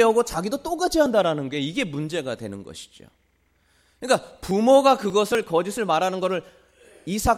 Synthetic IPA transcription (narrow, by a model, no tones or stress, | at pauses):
jʌɡot͡ɕaɡidot͈oɡad͡ʑiɦandaɾanɯnɡe̞iɡe̞mund͡ʑe̞ɡadwe̞̰nɯnɡʌ̰ɕʰi̥d͡ʑo̰ | kɯɲik͈apumoɡakɯɡʌsʰɯɭkʌd͡ʑisʰɯɭmaɾanɯnɡʌɾɯɭ | isʰa